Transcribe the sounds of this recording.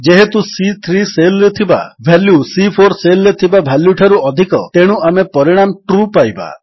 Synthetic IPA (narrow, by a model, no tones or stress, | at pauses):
d͡ʒeɦet̪usit̪ʰɾiselːet̪ʰiba̰bʱɛljusipʰoɾselet̪ʰibabʱaljuʈʰaɾuɔd̪ʱikɔ̰t̪eɽ̃uamepɔɾiɽ̃amʈɾupajba̰